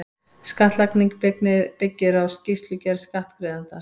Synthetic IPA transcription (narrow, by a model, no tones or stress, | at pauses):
skaht̪lakniŋkpɪknɪpɪcːɪɾawscist̪lʏcɛɾskaht̪kɾɪːðant̪a